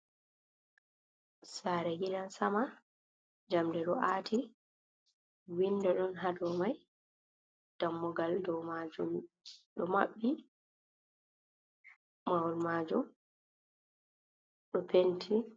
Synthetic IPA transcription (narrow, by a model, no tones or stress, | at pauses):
saɾɛɡilansama | d͡ʒamdɛɗɔʔaːtʰi | windɛɗɔnɦadɔmaj | d̥amːɔɡaldɔmad͡ʒum | ɗɔmaɓːi | awɔlmaːd͡ʒum | ɗɔpʰentʰi